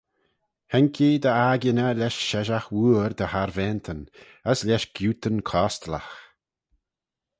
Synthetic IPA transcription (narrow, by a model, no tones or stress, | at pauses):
hɛŋkʰid̪əaɡənəlʲɛʃʃɛʒaxwuːɾd̪əhaɾvɛːnt̪ʰən | əslʲɛʃɡ̥juːt̪ənkʰɔːst̪lə̰x